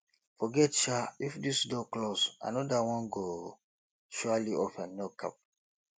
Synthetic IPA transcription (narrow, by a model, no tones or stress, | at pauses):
fɔɡɛtʃaifdisdɔklosa̰nɔdawɔ̃nɡo | ʃualiɔfãnɔka̰p̚